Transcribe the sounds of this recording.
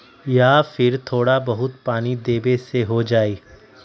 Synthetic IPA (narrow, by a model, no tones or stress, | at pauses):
jaːfɪɾt̪ʰoːɽabɐɦʊt̪paːnid̪eːbeseɦod͡ʒaːiː